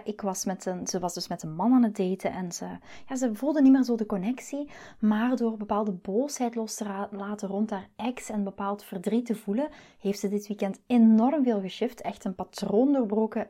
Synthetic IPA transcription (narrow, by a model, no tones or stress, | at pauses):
ʔɪkʋɑsmɛtənz̥əʋɑzdɵsmɛtənmɑnaːnət̚deːtəʔɛnz̥əjaːzəvulˠdənimeːrzoːdəkɔnɛksimaːrdoːrbəpaːlˠdəboːsɦɛjtlɔstəlaːtərɔnthaːrɛksɛnbəpaːlˠtfərdritəvulə | heːftz̥ədɪtʋikɛntenɔrmveːlˠɣəʃɪftʰɛxtənpatroːndoːrbroːkə